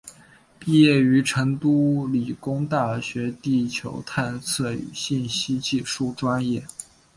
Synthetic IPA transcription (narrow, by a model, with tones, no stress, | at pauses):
pi˥˧jɛ˥˩y˧˥ʈ͡ʂʰɤ˧˥ŋt̪u˥li˨˩kʊ˥ŋt̪a˥˩ɕɥɛ˧˥t̪i˥˩t͡ɕʰjo̰˧˥ʊt̪ʰa˥˧nsʰɤ˥˩y̰˨˩ɕi˥˩nɕi˥t͡ɕi˥˧ʂu˥˩ʈ͡ʂwa˥njɛ˥˩